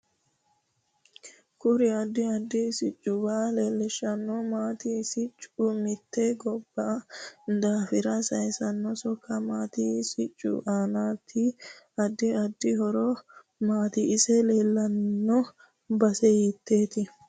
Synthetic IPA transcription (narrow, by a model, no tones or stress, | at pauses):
kʊɾɪɐd̪ːɪɐd̪ːɪsɪt͡ʃʼːʊbaːleːlːɛʃːɐnːɔmaːt̪ɪsɪt͡ʃʼːʊmɪt̪ːɛɡɔbːɐd̪aːfɪɾɐsɐjsɐnːɔsɔkʰːɐmaːt̪ɪsɪt͡ʃʼːʊ̰ʔaːnaːt̪ʰːɪ | ɐd̪ːɪɐd̪ːɪhɔɾɔ | maːt̪ɪːsɛleːlːɐnːɔ | bɐsɛjit̪ːe̞ːt̪ɪ